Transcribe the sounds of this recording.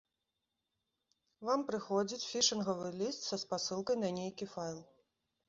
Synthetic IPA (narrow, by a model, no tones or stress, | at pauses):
vampɾɨxɔd͡zʲit͡sʲfʲiʂɨnɣɐvɨlʲist̪sɐspasɨlˠkɐjnɐnʲejkʲifajlˠ